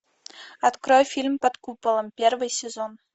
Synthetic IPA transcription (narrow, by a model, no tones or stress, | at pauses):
at̪krojfʲilʲmpɐt̪kupɤ̆lˠə̆mpʲervɨjsʲezon